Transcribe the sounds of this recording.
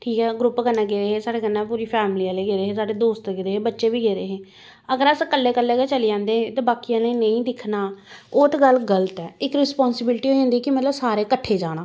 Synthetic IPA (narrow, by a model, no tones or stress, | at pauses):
ʈʰiːkɛːɡɾʊpːɡənːãːɡeːɾeːɦeːsaːɽeːɡənːãːpuːɾiːpʰɛːmliːaːleːɡeːɾeːɦeːsaːɖeːd̪oːst̪ɡeːɾeːɦeːbətːʃeːbiːɡeːɾeːɦeː | əɡəɾəskəlːeːkəlːeːɡeːt͡ʃəliːd͡ʒãːnd̪eːẽːt̪eːbaːkijãːleinəĩːd̪ɪkʰnaːʊt̪ɡəlɡələt̪ɛːɪkɾɪspɔːnsɪbɪlʈiɦoːd͡ʒãːnd̪iɛːkɪmət̪ləbsaːɾeːkəʈʰːeːd͡ʒaːɽ̃aː